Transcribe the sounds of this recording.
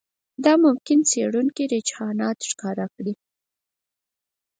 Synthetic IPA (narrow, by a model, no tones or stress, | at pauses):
d̪ɑmʊmkɪnt͡seɽuŋkiɾɪd͡ʒhɑnɑt̪ʃkɑɾakɽi